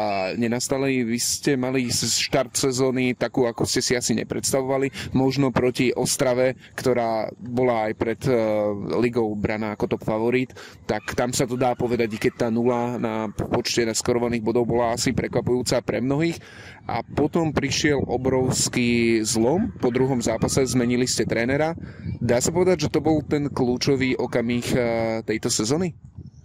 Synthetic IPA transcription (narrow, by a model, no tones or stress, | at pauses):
ɲɛnast̪aliʋiscɛmalisʃt̪aɾt̪sɛzɔːnit̪akuːakuscɛsiasiɲɛ̰pɾɛt̪st̪aʋɔʋalimɔʒnɔpɾɔciʔɔst̪ɾaʋɛ | kt̪ɔɾaːbɔlaːjpɾɛd̪ | liɡɔʊbɾanaːakɔt̪ɔpfaʋɔɾiːt̪ː | akt̪amsat̪ɔd̪aːpɔʋɛd̪aɟikɛc̚t̪aːnulanapɔt͡ʃcɛnaskɔɾɔʋaniːɣbɔd̪ɔʊbɔlaasipɾɛkʋapujuːt͡sapɾɛmnɔɦiːx | ʔa̰pɔt̪ɔmpɾiʃɪɛlʔɔbɾɔʊskiːzlɔmpɔd̪ɾuɦɔmzaːpasɛzmɛɲiliscɛt̪ɾɛːnɛɾad̪aːsapɔʋɛd̪aɟʒɛt̪ɔbɔlt̪ɛnkluːt͡ʃɔʋiːʔɔkamiːxt̪ɛjt̪ɔsɛzɔːni